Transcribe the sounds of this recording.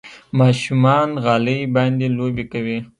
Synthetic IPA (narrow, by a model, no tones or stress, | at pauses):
mɑʃumɑnɣɑləjbɑnd̪elobekawi